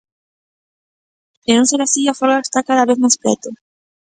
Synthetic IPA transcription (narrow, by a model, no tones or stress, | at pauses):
enõnseɾasiafolɣaest̪akaðaβeθmajspɾɛ̰t̪o